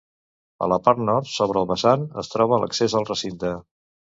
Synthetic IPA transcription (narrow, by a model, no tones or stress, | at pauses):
ə̰ləpaɾt̪nɔɾsoβ̞ɾəlˠβəsanə̰st̪ɾɔβələ̰ksezəlˠrəsint̪ə